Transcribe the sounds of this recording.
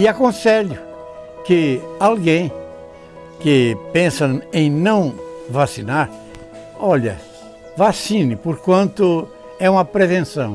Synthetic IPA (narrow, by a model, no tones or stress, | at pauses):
ɪakõseʎʊ | kɪalɡẽj̃ | kɪpẽsɐ̃ẽj̃nɐ̃w̃vasinaɾ | ɔʎɐ̰ | vasĩnɪpoɾkwɐ̃nt̪ʊ | ɛũmɐpɾevẽsɐ̃w̃